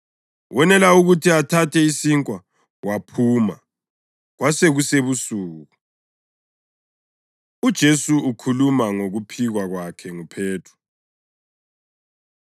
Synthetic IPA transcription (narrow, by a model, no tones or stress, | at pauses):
wʔɛnɛlauɣutʰiatʰatʰɛisiŋkʼwa | wapʰuːma̰ | ɣwaseɣuseβusuːɣu | ud̥ʒ̥ʱesuukʰulumaŋoɣupʰiɣwaɣwakʰɛŋupʰeːtʰu̥